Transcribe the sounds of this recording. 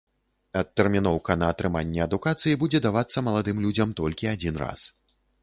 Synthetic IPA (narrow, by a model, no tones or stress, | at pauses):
ɐt̪ːɛrmʲinɔwkɐnɐːt̪ɾɨmanʲːɛɐd̪ukat̪sɨjibud͡zʲɛd̪avat̪sːɐmɐlˠad̪ɨmlʲud͡zʲɐmt̪ɔlʲkʲiad͡zʲinra̰s